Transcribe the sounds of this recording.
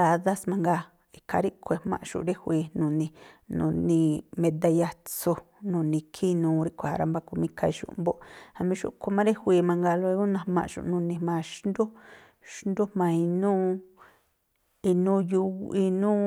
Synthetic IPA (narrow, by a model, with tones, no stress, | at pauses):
a˧˨ða˦smã˧ŋɡa˧ | i˧kʰa˧ɾi˦ʔkʰʷe˧mã̰˧ʔʃṵ˧˨˧ɾe˦hʷi˧nũ˨nĩ˧nṵ̃˧˨nĩ˧mẽ˧d̪a˧ja˧t͡so˧ | nũ˨nĩ˧kʰi˦nũː˧ɾi˦kʷa˨a̰˧ɾa̰˧mba˧ku˧mĩ˦ka˧i˧ʃṵ˧ʔmbo˦ʔa˧mĩ˧˦ʃṵ˦ʔkʰo˧mã˦ɾe˦hʷiː˧mã˧ŋɡa˧lo˧i˧u˦nã˧mã̰˧ʔʃṵ˧˨˧nũ˧nĩ˧mã˧ʃnd̪u˦ | ʃnd̪u˦mã˧i˧nũː˦ | i˧nũ˦ju˧i˧nũː˦